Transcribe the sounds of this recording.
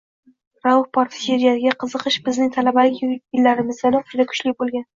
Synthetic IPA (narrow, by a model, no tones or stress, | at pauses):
ɾawhpʰɒɾt̪ʰɪ̥ʃeɾijasɪɡʲaqʰɨzɨqɨʃbɪznɪŋt̪ʰalabalɪkʲjɪlːaɾɪmɪzɡʲanɪqʰʊ̥t͡ʃd̪akʰʊ̥t͡ʃlɪk̚ʲbolˠɡʲan